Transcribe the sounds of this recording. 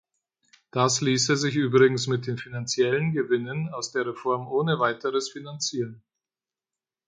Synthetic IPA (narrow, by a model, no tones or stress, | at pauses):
d̥asliːsəzɪçʔyːbʁɪɡŋ̩smɪt̚d̥eːnfinant͡sjɛlənɡəvɪnənaʊsd̥eːɐʁefɔɐmʔoːnəvaɪtəʁəsfinant͡siːʁən